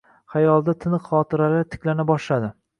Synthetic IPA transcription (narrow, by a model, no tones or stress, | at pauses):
χajɒlˠd̪at̪ʰɪnɨqχɒt̪ʰɪɾalaɾt̪ʰɪ̥kʲlanabɒʃlad̪ɪ